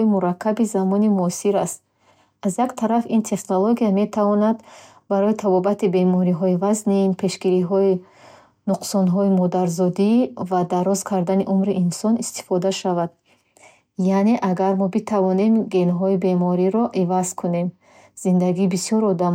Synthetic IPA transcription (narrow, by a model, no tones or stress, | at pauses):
imuɾakʰːabizamɔnimuɔsiɾast̪̚ | azjakt̪ʰaɾafint̪ʰe̞χnoloɡijame̞t̪ʰavɔnad̪ | baɾɔjit̪ʰabɔbat̪ibe̞mɔɾiɦɔivaznimpʰe̞ʃɡiɾiɦɔi | nuqsɔnɦɔimɔd̪aɾzɔd̪ivad̪aɾɔzkʰaɾd̪aniʔumɾiʔinsɔnist̪i̥fɔd̪aʃavad̪ | jane̞ʔaɡaɾmɔbit̪ʰavɔne̞mɡe̞nɦɔibe̞mɔɾiɾɔʔivaz̥kʰune̞m | z̥ind̪aɡiːbisijɔɾɔd̪am